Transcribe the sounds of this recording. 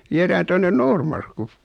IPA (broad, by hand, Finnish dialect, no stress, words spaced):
ʋieræːn tonːen noːrmɑrkːu